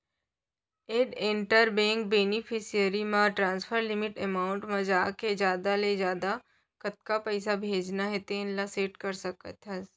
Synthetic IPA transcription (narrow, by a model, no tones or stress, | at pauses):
eːɖẽɳʈəɾbɛ̃ːŋk̚beːnɪpʰɪsijəɾimãʈɾãːnspʰəɾlɪmɪʈemaːʊ̃ɳʈmẽd͡ʒaːked͡ʒjaːd̪aled͡ʒjaːd̪a | kɐt̪̚kapɛːsabʱeːd͡ʒnaɦet̪eɪnlaseːʈkɐɾsɐkə̰t̪ʰɐ